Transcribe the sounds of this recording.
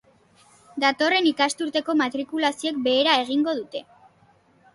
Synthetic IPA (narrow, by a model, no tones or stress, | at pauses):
d̪at̪o̞re̞nikast̪uɾt̪e̞ko̞mat̪ɾikulasiok̚be̞ːɾae̞ɣ̞iŋɡo̞ð̞ut̪e̞